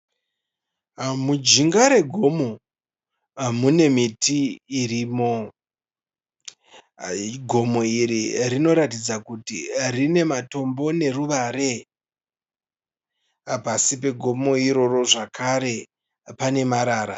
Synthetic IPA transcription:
mud͡ʒiŋɡaɾe̞ɡʱo̞mo̞ | mune̞mitiːriːmo̞ | ɡʱo̞mo̞iɾirino̞ɾatid͡zakutirine̞mato̞mbo̞ne̞ruʋaɾe̞ | pasipe̞ɡʱo̞mo̞iɾo̞ro̞ʐakʰaɾe̞ | pane̞maɾaːɾa̰

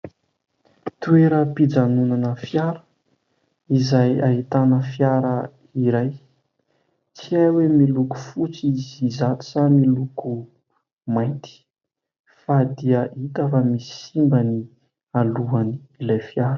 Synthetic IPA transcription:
t̪ueɾəpid͡zanunanəfjaɾə̥ | izajaɦit̪anəfjaɾə | iɾaj | t͡siajwemiluku̥fut͡siizizat̪i̥samiluku | majnt̪i̥ | fad̪iəʔit̪əfamisi̥simbəni | aluaniilajfjaɾə̥

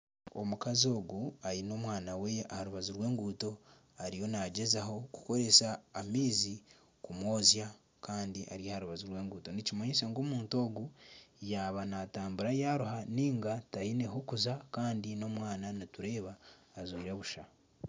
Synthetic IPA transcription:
o̰mukazio̞ːɡuaɾino̞mwaːnawe̞ahaɾuβazuɾwe̞ːŋɡuːto̞ | aɾijo̞naɟe̞zaho̞ku̥ko̞ɾe̞saːmiːzi | kumo̞ːzja | kaːndiʔa̰ɾijahaɾuβazuɾwe̞ːŋɡuːto̞nicimaɲisaŋɡoːmuːnto̞ːɡujaβanataːmbuɾajaɾuhaniːŋɡatajineɦokuzakaːndino̞mwaːnanituɾe̞ːβaːzoiɾeβuʃa

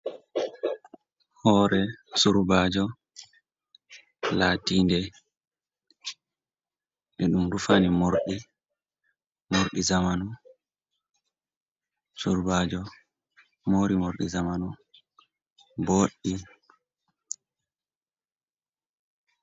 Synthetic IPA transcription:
hɔːɾɛsuɾbaːd͡ʒɔ | laːtiːndɛ | ʔɛɗumdufanimoɾɗi | moɾɗizamanu | suɾbaːd͡ʒɔ | moɾimoɾɗizamanu | boɗːi

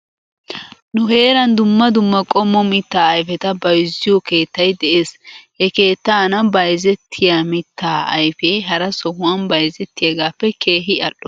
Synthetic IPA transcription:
nʊɦe̞ːɾɐnd̪ʊmːɐd̪ʊmːɐkʼɔmːɔmɪt̪ːaːɐjfɛt̪ɐbɐjzɪjɔke̞ːt̪ːɐjd̪ɛʔeːshɛke̞ːt̪ːaːnɐbɐjzɛt̪ʰːɪjaːmɪt̪ʰːaːɐ̰jfejɦɐɾɐsɔhʊwɐnbɐjzɛt̪ːɪjɐɡaːpːɛkʰeːɦɪɐɗːɔ

